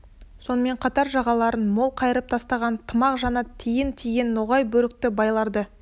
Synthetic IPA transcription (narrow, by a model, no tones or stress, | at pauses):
so̞nəme̞ɴqʰɑt̪ɑɾʒɑʁɑlˠɑɾənmo̞lˠqʰɑjəɾəp̚t̪ʰɑst̪ɑʁɑnt̪ʰəmɑqʒɑnɑt̪ʰijɪnt̪ʰijɪnːoʁɑjbɵɾɪk̚t̪ɪbɑjlˠɑɾd̪ə